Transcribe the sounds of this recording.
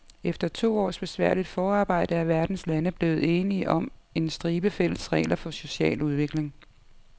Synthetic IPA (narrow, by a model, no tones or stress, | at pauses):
efd̥ɐt͡sʰo̝̰ːɒ̰ːsb̥e̝sʋæɐ̰lid̥fɒːɑ̈ːb̥ɑ̈ɪ̰d̥əæɐʋæɐd̥n̩slænəb̥le̝ːʊð̞̩ˠe̝ːniʔɒ̽me̝nsd̥ʁiːb̥əfel̰əsʁɛ̰ɪlʔɐfɒ̽so̝ɕɛ̰ːluð̞ˠʋe̝ɡ̥le̝ŋ